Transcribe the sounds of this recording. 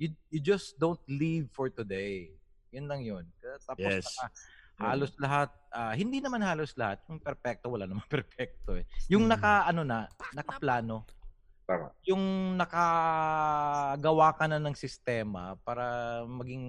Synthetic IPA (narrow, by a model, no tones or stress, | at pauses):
jʊjʊd͡ʒɐsd̪ownt̪̚livfɔɹt̪ʊd̪ejjʊnlɐŋjonkɐt̪aːoɛssɐkɐhaːlo̞slɐɦat̪̚ʔaːhɪnd̪inɐmanhaːloslɐhat̪̚jʊŋpɛɾpɛk̚t̪o̞wɐla̰nɐmaŋpɛɾpɛk̚t̪oɛjʊŋnɐkɐʔɐno̞nɐnɐkɐplaːno̞a̰jʊŋnɐkɐ | ɡɐwaːkɐnɐnɐŋsɪst̪ɛːmɐ̰paːɾɐmɐɡiŋ